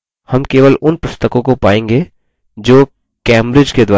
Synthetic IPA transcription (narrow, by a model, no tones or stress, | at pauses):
hɐmkeːʋəlʊnpʊst̪əkõkopaːẽːŋɡe | d͡ʒoː | kɛːmɾɪd͡ʒked̪waː